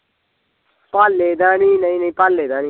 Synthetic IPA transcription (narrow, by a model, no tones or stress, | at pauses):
paːlːeːd̪ãːnĩːnəĩːnəĩpalːeːd̪ãːniː